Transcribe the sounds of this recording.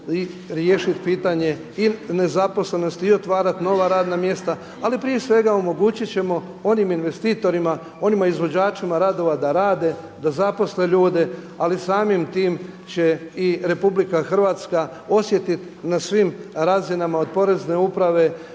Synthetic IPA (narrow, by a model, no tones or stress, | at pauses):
i | ɾjeːʃit̪piːt̪aɲe̞ | ine̞zapo̞sle̞no̞st̪io̞t̪ʋaːɾat̪no̞ʋaɾaːd̪namje̞st̪a | alipɾije̞sʋe̞ɡaomo̞ɡuːt͡ɕit̪t͡ɕe̞mo̞ | o̞niminʋe̞st̪iːt̪o̞ɾima | o̞nimaizʋo̞d͡ʑaːt͡ʃimaɾaːd̪o̞ʋad̪aɾaːd̪e̞ | d̪azapo̞sle̞ʎuːd̪e̞ | alisaːmimt̪iːmt͡ɕe̞iɾe̞publikaxr̩ʋaːt̪ska | o̞sje̞t̪it̪ | nasʋimɾazinamao̞d̪̚po̞ɾe̞zne̞upɾaʋe̞